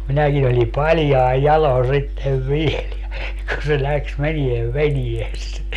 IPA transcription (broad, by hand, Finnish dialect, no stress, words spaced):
minækin olʲi pɑlʲjɑi̯ jɑlon̞ sitːeʋ ʋiel jɑ jɑ kun se læks menieʋ ʋenies